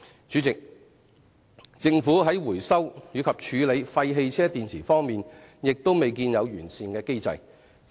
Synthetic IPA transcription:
t͡ʃyː˨˥ɪ˨k̚ | t͡sɪ˧ŋfuː˨˥ɦɐ˨˥jwuː˨˩jsɐ˥wjyː˨˧˥kʰɐ˨p̚t͡ʃʰyː˨˧le˨˧jfɐ˧jɦe˧jt͡sʰɛː˥t̪iː˨nt͡sʰiː˨˩fɔː˥ŋmiː˨njɪ˨k̚t̪o˥wme˨jk̬iː˧njɐ˨˧wjyː˨˩nsiː˨˧nkɛː˧ke˥jt͡sɐ̰˧j

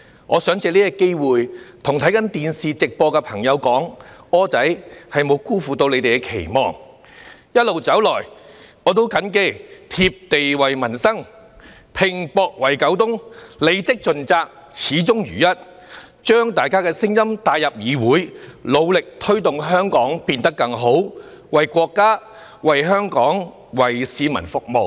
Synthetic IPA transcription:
ŋɔː˨˧sœː˨˥ŋt͡sɛː˧liː˥ɐ˥kːe˥jwuː˨jt̪ʰʊ˨˩ŋt̪ʰɐ˨˥jkɐ˨˥nt̪iː˨nsiː˨t͡sɪ˨k̚pɔː˧kɛ˧pʰɐ˨˩ŋjɐ˨˧wkɔː˨˥ŋɔː˥t͡sɐ˨˥jhɐ˨jmo˨˧wkuː˥fuː˨t̪o˧wle˨˧jt̪e˨kɛ˧kʰe˨˩jmɔː˨ŋ | jɐ˥t̚lo˨wt͡sɐ˨˥wlɔː˨˩jɔː˨˧t̪̬o˥wkɐ˨˥nke˥˧t̪ʰiː˧p̚t̪e˨jwɐ˨˩jmɐ˨˩nsɐ˥ŋ | pʰɪ˨˩ŋpɔː˧k̚wɐ˨˩jkɐ˨˥wt̪ʊ˥ŋle˨˧jt͡sɪ˥k̚t͡ʃɵ˨nt͡saː˧k̚ | t͡sʰiː˨˧˥t͡sʊ˥ŋjɥy̰ː˨˩jɐ˥t̚ | t͡ʃœː˥ŋt̪aː˨jkaː˥kɛː˧sɪ˥ŋjɐ˥mt̪aː˧jɐ˨p̚jiː˨˧wuː˨˥jlo˨˧wlɪ˨k̚t̪ʰɵ˥ɥt̪ʊ˨ŋɦœː˥ŋkɔː˨˥ŋpiː˧nt̪ɐ˥kːɐ˧ŋɦo˨˥wwɐ˨jkʷɔː˧kːaː˥ | wɐ˨jɦœː˥ŋkɔː˨˥ŋ | wɐ˨˩jsiː˨˧mɐ˨˩nfʊ˨k̚mo˨w

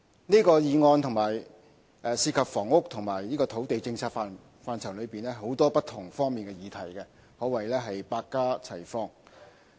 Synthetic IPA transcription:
niː˥kɔː˧jiː˨˧ŋɔː˧nt̪ʰʊ˨˩ŋmaː˨˩j | ʔɛː˨˧siː˧kʰɐ˨p̚fɔː˨˩ŋʊ˥k̚t̪ʰʊ˨˩ŋmaː˨˩jniː˥kɔː˧t̪ʰo˨˥wt̪e˨jt͡sɪ˧ŋt͡ssʰaː˧t̚faː˨n | faː˧nt͡sʰwlɵ˨˧ɥpiː˨nɛː˥ɦo˨˥wt̪ɔː˥pɐ˥t̪ʰːʊ˨˩ŋfɔː˥ŋmiː˨nkɛ˧jiː˨˧t̪ʰɐ˨˩jkɛ˧ | hɔː˨˥wɐ˨˩jlɛː˥ɦɐ˨jpaː˧kːaː˥t͡sʰɐ˨˩jfɔː˧ŋ

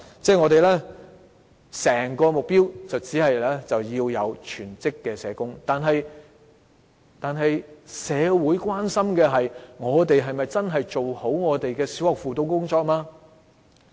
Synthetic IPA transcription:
t͡sɛː˥˩ŋɔ˨˧t̪̬e˨jlɛː˥ | sɛː˨˩ŋkɔː˧mʊ˨k̚piː˥wt͡sɐ˨wt͡siː˨˥hɐ˨jlɛː˥t͡sɐ˨wjiː˧wjɐ̰˨˧wt͡ʃʰyː˨˩nt͡sɪ˥kːɛː˧sɛː˨˧kʊ˥ŋt̪aː˨nɦɐ˨j | t̪aː˨nɦɐ˨jsɛː˨˧wuː˨˥jkwaː˥nsɐ˥mkɛː˧ɦɐ˨jŋɔː˨˧t̪e˨jɦɐ˨jmɐ˨jt͡sɐ˥nɦɐ˨jt͡so˨who˨˥wŋɔː˨˧t̪e˨jkɛː˧si̥˨˥whɐ˨k̚fuː˨t̪o˧wkʊ˥ŋt͡sɔː˧k̚maː˧

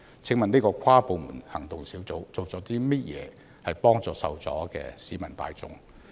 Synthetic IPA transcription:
t͡sʰɪ˨˥ŋmɐ˨niː˥kɔː˧kʷʰaː˥po˨˧wmuː˨˩nhɐ˨˩ŋt̪ʊ˨ŋsiː˨˥wt͡so˨˥wt͡so˨wt͡sɔː˨˥t̪iː˥mɐ˥t̚jɛ̰ː˨˧ | hɐ˨jpɔː˥ŋt͡sɔː˨˧sɐ̰˨wt͡sɔ̰ː˨˥kɛ̰ː˧siː˨˥mɐ˨˩nt̪a̰ː˧jt͡sʊ̰˨˥ŋ

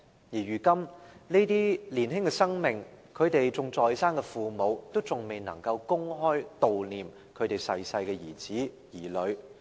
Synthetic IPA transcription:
jiː˨˩ɥyː˨˩kɐ˥mne˥t̪iː˥liː˨˩nɦɪ˥ŋkɛ˧sɐ˥ŋmɪ˨ŋkʰɵ˨˧ɥt̪e˨jt͡sʊ˨ŋt͡sɔː˨˧jsaː˥nkɛ˧fuː˨mo˨˧wt̪o˥wt͡sʊ˨ŋme˨jnɐ̰˨˩ŋkɐ˧wkʊ˥ŋɦɔː˥jt̪o˨wliː˨m | kʰɵ˨˧t̪e˨jsɐ˧jsɐ˧jkɛː˧jiː˨˩t͡siː˨˥ | jiː˨˩lɵ˨˧˥ɥ

